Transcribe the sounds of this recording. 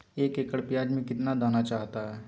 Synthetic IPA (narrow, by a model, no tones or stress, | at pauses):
eːkeːkəɽpɪjaːd͡ʒmẽkɪt̪nad̪aːnat͡ʃaːɦt̪aɦɛː